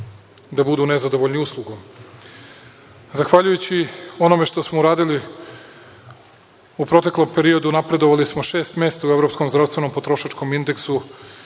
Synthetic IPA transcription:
d̪abud̪une̞zad̪o̞ʋo̞ʎʲniuslˠuɡom | zaxʋaʎujut͡ɕio̞no̞me̞ʃt̪o̞smouɾaːd̪ili | upɾo̞t̪e̞klˠo̞mpe̞ɾio̞d̪unapɾe̞d̪o̞ʋalismo̞ʃe̞ːst̪me̞ːst̪aue̞vɾo̞psko̞mzd̪ɾast̪ʋe̞no̞mpo̞t̪ɾo̞ʃat͡ʃko̞mind̪e̞ksu

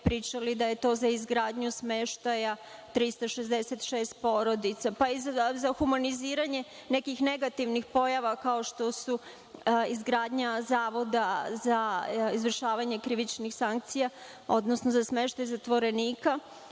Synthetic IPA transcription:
pɾiːt͡ʃalid̪aje̞t̪o̞ːzaizɡɾaːd̪ɲusme̞ʃt̪ajat̪ɾist̪aʃe̞zd̪eset̪ʃe̞ːst̪̚po̞ːɾo̞d̪it̪sapaizazaxumaniziːɾaɲe̞ | ne̞kixne̞ɡat̪iʋnixpo̞jaʋakao̞ʃt̪o̞su | izɡɾaːd̪ɲazaːʋo̞d̪azaizʋr̩ʃaːʋaɲekɾiʋit͡ʃnixsaŋk̚t̪sija | o̞d̪nosnozasme̞ʃt̪ajzat̪ʋo̞ɾe̞niːka

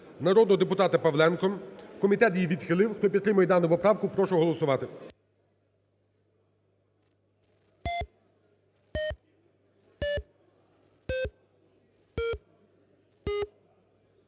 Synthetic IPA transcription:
nɐɾɔd̪nɔɔd̪epʊt̪ɑt̪ɐpɐʋlˠɛnkɔmkɔmʲit̪ɛt̪jijʋʲid̪xɪlˠɪwxt̪ɔpʲid̪t̪ɾɪmɐjɛd̪ɑnʊpɔpɾɑwkʊpɾɔʃʊɦɔlˠɔsʊʋɑt̪ɪ

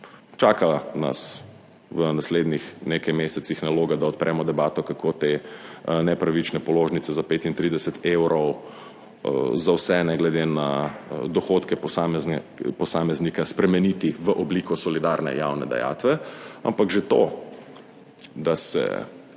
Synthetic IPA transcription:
t͡ʃaːkana̰s | ʋənasleːd̪nixnekajmeːsɛt̪sixnaloːɡad̪aɔt̪̚pɾʔɛːmɔd̪ɛbaːt̪ɔkakʰot̪e | nɛpɾaʋit͡ʃnɛpɔloːʒnit̪ɛzapeːt̪int̪ɾid̪ɛsɛt̪ʰewɾɔw | zawsɛnɛɡlɛd̪enad̪ɔxot̪kɛpampɔsaːmɛznikaspɾɛmɛnit̪iʋəʔɔbliːkɔsɔlid̪aɾnɛ̰jawnɛ̰d̪a̰ja̰ːt̪ʋɛa̰mpakʒet̪o̰ | d̪asɛ̰

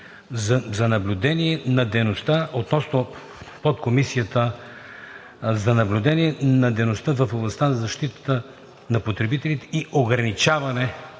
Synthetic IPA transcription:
zɐnɐblʲʊd̪ɛniɛnɐd̪ɛjnost̪aot̪nɔsno | pot̪̚komisijət̪ə | zɐnɐblʲʊd̪ɛniɛnɐd̪ɛjnost̪əvɐfoblˠɐst̪anɐzɐʃt̪it̪ə̥t̪ə | nɐpot̪ɾɛbit̪ɛlʲit̪ɛ̥iʔoɡɾɐnit͡ʃavɐnɛ

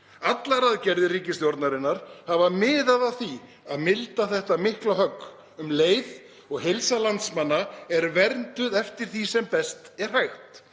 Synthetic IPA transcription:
at̪laɾaðcɛɾðɪriːcɪst̪jɔɾt̪naɾɪnːaɾ̥havamɪːðaðawθi | aðmɪlt̪aθɛht̪amɪhklaɦœkː | ʏmleːjð | ɔɣɦejlsalant̪smanːaɛɾvɛɾnt̪ʏðɛft̪ɪɾ̥θisɛmpɛst̪ɛɾ̥hajxt̪

